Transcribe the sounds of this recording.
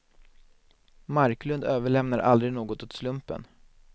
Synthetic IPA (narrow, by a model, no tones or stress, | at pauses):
maɾklɵnd̪øːvəɭɛmnaɾʔa̰ld̪ɾɪɡnoːɡɔt̪ɵt̪slɵmpə̰n